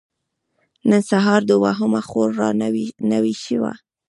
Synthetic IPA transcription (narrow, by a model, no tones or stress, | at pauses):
nənsaɦɑɾd̪əwaɦʊmaxoɾːɑnawiʃiwa̰